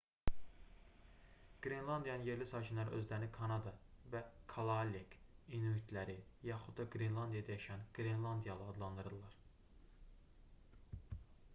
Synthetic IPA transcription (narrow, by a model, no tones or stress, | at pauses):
ɡ̥ɾenlˠɑnd̪ijɑnɯnje̞ɾlisɑːcʰinlˠɑɾ̰ʔø̞̰zlæɾinikʰɑnɑd̪ɑvækʰalˠɑlekinuit̪ʰlæɾijɑxud̪ːɑɡɾinlˠɑnd̪ijɑd̪ɑjɑʃænɡ̥ɾenlˠɑnd̪ijɑlˠɯɑd̪lˠɑnd̪ɯɾɯlˠɑɾ̥